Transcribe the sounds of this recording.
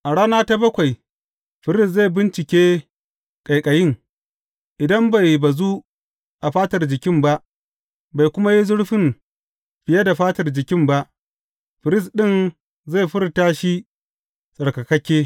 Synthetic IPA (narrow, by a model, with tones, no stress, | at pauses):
ʔa˨ɽaː˦naː˦ta˦bɐ˦kʷa˨j | ɸɪ˨ɾɪ˦˨s̬za˦˨jbɪ˦nt͡ʃɪ˨kʲeː˦ | kʼa˨jkʼɐ˨jɪ˦ŋ | ʔɪ˨dɐ˦mba˨jba˨zu˦ | ʔa˨ɸaː˦tɐ˨rd͡ʒɪ˨kʲɪ˦mba˦ʔ | ba˨jkʷʊ˦ma˦ji˦zʊ˦ɽɸɪ˦m | ɸɪ˨ja˦da˨ɸaː˦tɐ˨rd͡ʒɪ˨kʲɪ˦mba˦ʔ | ɸɪ˨ɾɪ˦s̬ɗɪ˦˨n | za˦˨ɸɪ˦ɾtaː˦ʃi˦ | sʼɐ˨ɽkɐ˨kɐ˦kʲeː˦